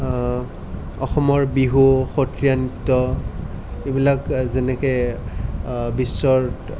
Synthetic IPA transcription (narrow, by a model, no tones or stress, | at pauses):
ɔ̰xɔmɔɹbiɦuxotɹijanitːɔ | ebilakzɛnɛkɛ | bisːɔɹ